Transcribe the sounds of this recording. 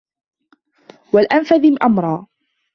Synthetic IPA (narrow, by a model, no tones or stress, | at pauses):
walʔanfaðɪʔamɾˤɑː